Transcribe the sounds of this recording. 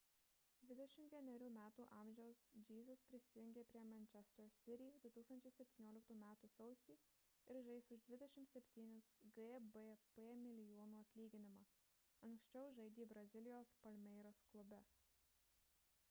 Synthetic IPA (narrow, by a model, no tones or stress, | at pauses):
d̪ʲʋʲɪd̪ʲɛʃʲɪmt̪ʋʲiɛnʲɛɾʲuːmʲæːt̪uːʔɐˑmʲʒʲɛʊsd͡ʒʲiːzɐspʲɾʲɪsʲɪjʊŋʲɡʲeːpʲɾʲiɛmʲɛnʲt͡ʃʲɛst̪ɛɾsʲɪɾʲid̪ʊt̪uːkst̪ɐnʲt͡ʃʲɛɪsʲɛpʲt̪ʲiːnʲuɔːlʲɪk̚t̪uːmʲæːt̪uːsɒʊsʲiː | ɪɾʒɐɪsʊʒd̪ʲʋʲɪd̪ʲɛʃʲɪmt̪sʲɛpʲt̪ʲiːnʲɪsɡbepeːmʲɪlʲɪjoːnuːɐt̪ʲlʲiːɡʲɪnʲɪmɑː | ɐŋksʲt͡ʃʲɛʊʒɐɪd̪ʲiːbɾɐzʲɪlʲɪjoːspɐlʲmʲɛɪɾosklˠʊbʲɛ